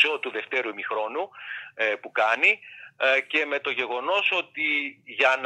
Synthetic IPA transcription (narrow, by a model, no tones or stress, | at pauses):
so̞t̪uðe̞ft̪e̞ɾumixɾo̞nu | pukɐni | ce̞me̞t̪o̞ʝe̞ɣo̞no̞so̞t̪iʝɐn